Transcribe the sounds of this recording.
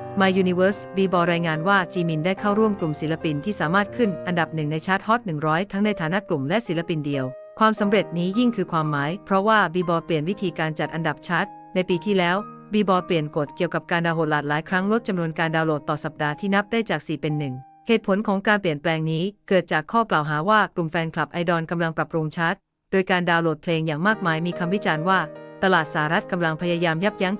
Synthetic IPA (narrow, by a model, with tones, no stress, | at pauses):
maː˧juː˧ni˧wəː˦˥sbiː˧bɔː˧ɾaː˧jŋaː˧nwaː˥˩t͡ɕiː˧mi˧ndaː˥˩jkʰa˥˩wɾu˥˩əmklu˨˩msi˨˩˦la˧pi˧nt̪ʰiː˥˩saː˩˦maː˥˩t̪̚kʰɯ˥˩nʔa˧nda˨˩p̚nɯ˨˩ŋna˧jt͡ɕʰaː˦˥t̪̚hɔ˦˥t̪̚nɯ˨˩ŋɾɔː˦˥jt̪ʰa˦˥ŋna˧jt̪ʰaː˨˦na˦˥ʔklu˨˩mlɛ˦˥ʔsi˩˦la˧pi˧ndi˧əw | kʰwaː˧msa˩˦mɾe˨˩t̪̚niː˦˥ji˥˩ŋkʰɯː˧kʰwaː˧mːaː˩˦jpʰɾɔ˦˥waː˥˩biː˧bɔː˧pli˨˩ənwi˦˥t̪ʰiː˧kaː˧nt͡ɕa˨˩t̪̚ʔa˧nda˨˩p̚t͡ɕʰa˦˥t̪̚ | na˧jpiː˧t̪ʰiː˥˩lɛː˦˥w | biː˧bɔː˧pli˨˩ənko˨˩t̪̚ki˨˩əwka˨˩p̚kaː˧ndaː˧wɦoː˨˩t̪̚laː˨˩t̪̚laː˩˦jkʰɾa˦˥ŋɾo˦˥t̪̚t͡ɕa˧mnu˧ənkaː˧ndaː˧wloː˨˩t̪ːɔː˨˩sa˨˩p̚daː˧t̪ʰiː˥˩na˦˥p̚daː˥˩jt͡ɕaː˨˩k̚siː˨˩pe˧nːɯ˨˩ŋ | heː˨˩t̪̚pʰo˩˦nkʰɔː˩˦ŋkaː˧npli˨˩ənplɛː˧ŋniː˦˥kɤː˨˩t̪̚t͡ɕaː˨˩kʰːɔː˥˩klaː˨˩wɦaː˩˦waː˥˩klu˨˩mfɛː˧nkʰla˨˩p̚ʔa˧jdɔ˧nka˧mla˧ŋpɾa˨˩p̚ɾu˧ŋt͡ɕʰa˦˥t̪̚ | doː˧jkaː˧ndaː˧wloː˨˩t̪̚pʰleː˧ŋjaː˨˩ŋmaː˥˩k̚maː˧jmiː˧kʰa˧mwi˦˥t͡ɕaː˧nwaː˥˩t̪a˧laː˨˩t̪̚saː˨˩˦ɾa˦˥t̪̚ka˧mla˧ŋpʰa˧jaː˧jaː˧mja˦˥p̚ja˦˥ŋ